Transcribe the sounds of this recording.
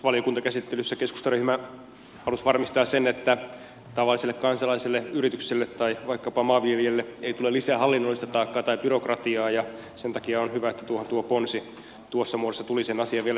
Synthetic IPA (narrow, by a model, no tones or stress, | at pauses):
ʋɑlijokunt̪ɑkæsit̪ːelysːækesku̥st̪ɑryhmæ | hɑlusʋɑrmist̪ɑːssenet̪ːæ | t̪ɑʋɑlːˑiselːekkɑnsɑlɑiselːeyɾit̪ykselːet̪tɑiʋɑikːɑpɑmɑːʋielielːeeit̪ulelːisæːhɑlːinːolːˑist̪ɑt̪ɑːkːɑːt̪ɑib̥yrokrɑt̪iɑːjɑ | sent̪ɑkiɑonhyʋæet̪ːæt̪uohont̪uoponsi | t̪uosːɑmuodesːɑt̪ulisenɑsiɑʋʋiel